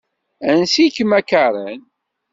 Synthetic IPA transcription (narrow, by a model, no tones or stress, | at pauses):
ænsikmækaɾˤən